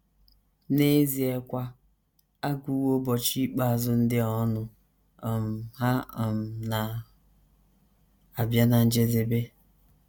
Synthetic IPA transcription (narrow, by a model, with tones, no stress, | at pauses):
ne˦zi˨e˨kʷa˦ | a˦ɡu˨˦wo˦bɔ˨t͡ʃi˦k͡pa˨a˨zʊ˦n̩˦dɪ˦ɔ˦nʊ˨ | m̩˨ɦa˦˨m̩˨na˨ | a˨bja˦na˨n̩˦d͡ʒe˦dɪ˨be˦